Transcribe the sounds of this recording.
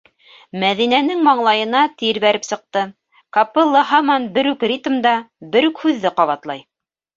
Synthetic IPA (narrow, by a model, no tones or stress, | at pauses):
mæðinænɘŋmɑɴlˠɑjɤ̆nɑt̪iɾβæɾɘpsɤ̆q̚t̪ɤ | kɑpɤlˠːɤɦɑmɑnbɘ̆ɾʉkrʲit̪md̪ɑbɘɾʉkhʉðːɘqɑβɑt̪lˠɑj